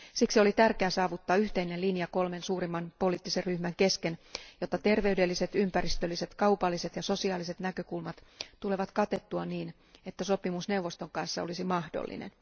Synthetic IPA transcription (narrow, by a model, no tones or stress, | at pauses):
siksio̞lit̪ærkeæsɑːʋut̪ːɑːyht̪einelinjɑko̞lme̞nsuːɾimːɑnpo̞liːt̪ːiserryhmæŋke̞skenjot̪ːɑt̪e̞rʋe̞ydelːise̞t̪ympærist̪ølːise̞t̪kɑupɑlːise̞t̪jɑso̞siɑːlise̞t̪nækøkulmɑt̪t̪ule̞ʋɑt̪kɑt̪e̞t̪ːuɑniːn | et̪ːæso̞pimusne̞uwʋo̞st̪o̞ŋkɑnsːɑolisimɑhdo̰lːḭnḛn